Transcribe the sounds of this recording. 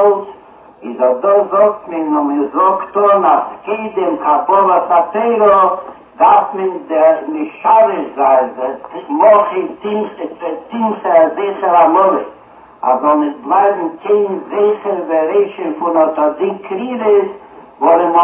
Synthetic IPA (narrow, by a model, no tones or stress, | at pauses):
lˠs | ɪzɔdɔzɔktmɪnʊmɪzɔktɔnaskeɪdɪmkʰapɔlˠasateɪɾɔ | dafmɪndɪmɪʃaɾɪʃzaɪnvɛlɔχɪtɪnɛtɪnsəzeɪχəɾamɔlɪ | a̰zɔnɪsblˠaɪbm̩keɪnzeɪχəɾveɾeɪʃənfʊnɔtɔdikʰɾiːɾəs | vɔɾɪn